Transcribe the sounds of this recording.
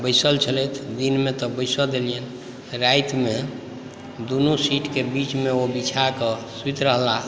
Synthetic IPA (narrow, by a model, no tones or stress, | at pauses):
bəjsəlt͡ʃʰəlet̪ʰd̪inmet̪ɔbəɪsəd̪elijən | ɾajt̪me | d̪unusiʈkebit͡ʃmeobit͡ʃʰakɔsut̪ɾəɦla